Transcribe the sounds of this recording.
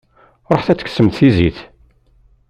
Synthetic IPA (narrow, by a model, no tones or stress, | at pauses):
ɾˤoħθæt͡sːəksəmt̪θiziθ